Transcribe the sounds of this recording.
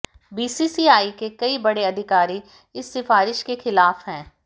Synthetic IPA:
biːsisiːaːikekɐibɐɽeɐd̪ʱɪkaːɾi | ɪsːɪfaːɾɪʃkexɪlaːfɦɛ̃ː

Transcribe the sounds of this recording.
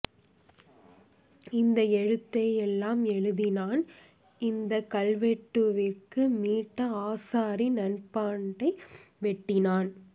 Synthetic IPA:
ɪnd̪ɐɛɻɯt̪ːɐjɛlːaːmɛɻɯðɪnaːn | ɪnd̪ɐkɐlʋɛʈːɯʋɪkɯmiːʈːɐaːsaːɾinɐnpaːɳɖɐɪʋɛʈːɪnaːn

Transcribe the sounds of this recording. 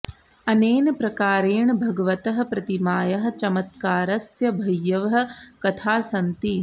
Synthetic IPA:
ɐneːnɐpɾɐkaːɾeːɳbʱɐɡɐʋɐt̪ɐɦɐ̆pɾɐt̪imaːjɐɦɐ̆t͡ʃɐmɐt̪̚kaːɾɐsjɐbʱɐjːɐʋɐɦɐ̆kɐt̪ʰaːsɐnt̪i

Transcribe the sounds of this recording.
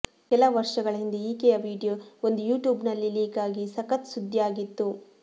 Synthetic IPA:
kɛlɐʋɐɾʂɐɡɐɭɐɦind̪eiːkejɐʋiːɖijoːond̪ujuːʈjuːbnɐlːiliːkaːɡisɐkɐt̪sud̪ʱːjaːɡit̪ːu

